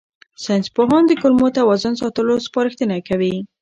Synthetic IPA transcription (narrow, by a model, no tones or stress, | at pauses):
sanspoɦɑnd̪əkʊlmot̪awɑzəns̬ɑt̪əlospɑɾəxt̪ənakawi